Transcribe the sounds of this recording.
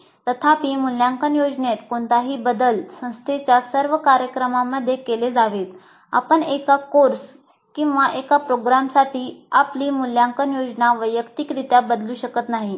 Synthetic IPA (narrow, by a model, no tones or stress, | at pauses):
t̪ət̪ʰapiːmuljãŋkənjod͡ʑnet̪koɳt̪aɦiːbəd̪əlsə̃w̃st̪ʰet͡ɕjasəɾʋəkaɾjəkɾəmaməd̪ʱːjekeled͡zaʋet̪ | a̰pəɳekakoɾs | kĩw̃ʋaʔekapɾoɡɾamsaʈʰiːapliːmuljãŋkənjod͡znaʋəjəkt̪ikɾit̪jabəd̪luːɕəkət̪naɦi